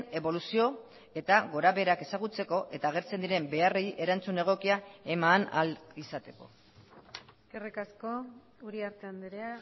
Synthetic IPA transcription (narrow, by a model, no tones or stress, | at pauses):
ne̞βo̞lusio̞ | e̞t̪aɣo̞ɾaβe̞ɾake̞saɣ̞ut͡se̞ko̞ʔe̞t̪aːɣ̞e̞ɾt͡se̞nd̪iɾe̞mbe̞are̞jʔe̞ɾant͡sune̞ɣ̞o̞kiae̞mana̰lisat̪e̞̥ko̞̰ | erikasko | uɾiaɾt̪eand̪eɾea